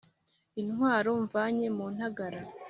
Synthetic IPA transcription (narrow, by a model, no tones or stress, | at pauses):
inhwaːɾo̞ɱvaːɲe̞muːn̥haɡaɾa